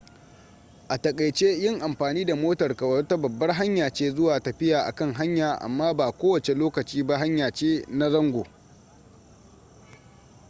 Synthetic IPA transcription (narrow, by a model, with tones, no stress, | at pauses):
ʔa˨tɐ˨kʼɐ˨jt͡ʃe˦jɪ˦˨ŋʔa˨mɸaː˨niː˦da˨moː˦tɐ˨rkɐ˨wɐ˦rta˦bɐ˨bːɐ˦rɦa˦ɲjaː˨t͡ʃeː˦zʊ˦waː˨tɐ˨ɸɪ˦jaː˨ʔa̰˨kɐ˦ŋɦa˦ɲjaː˨ʔa̰˨mːaː˦baː˨kʷoː˦wɐ˨t͡ʃe˨loː˦kɐ˨t͡ʃiː˦ba˦ɦa˦ɲjaː˨t͡ʃeː˦na˦zɐ˦ŋɡʷoː˨